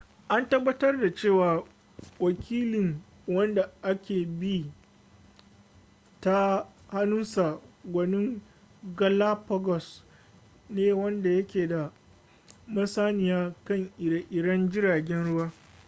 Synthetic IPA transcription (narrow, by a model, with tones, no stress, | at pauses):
ʔa˦ntɐ˦bːɐ˦tɐ˦rda˨t͡ʃeː˦˨waː˨ | wɐ˨kʲʰiː˦lɪ˨ŋ | wɐ˦nda˨ʔa˦kʲeː˨bi˦ | ta˦ha˦nʊ˦nsa˨ɡʷɐ˨nɪ˦ŋ | ɡɐ˦la˦pɔ˦ɡɔ˨s | neː˦wɐ˦nda˨jɐ˦kʲeː˨da˨ | mɐ˦saː˦nɪ˨jaː˦kɐ˦˨ŋʔɪ˨˦ʔɪ˨ɽɐ˦nd͡ʒɪ˦ɾaː˨ɡʲɛ˦nɽʊ˦waː˦